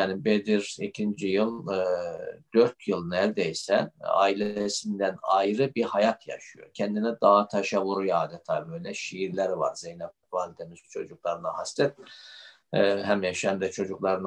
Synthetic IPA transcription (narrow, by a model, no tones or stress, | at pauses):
jaːnibed̪iɾicʰind͡ʒijɯlˠ | d̪̥øɾt̪ʰjɯlˠɯnælʲd̪ɛjsɛa̰ːilʲesind̪ænajɾɯbihajat̪ʰja̰ʃɯjo̞̰ɾcʰɛnd̪inɛd̪aɦat̪ʰaʃavuɾujaːd̪ɛt̪ʰabøjlʲɛʃijiɾlʲæɾiva̰ɾzejnab̚ | valʲt̪ʰemizt͡ʃʰo̞d͡ʒuklˠaɾɯnahast̪ʰɛt̪̚ | ɦæmjɛʃæmd̪ɛt͡ʃʰo̞d͡ʒuklˠaɾɯn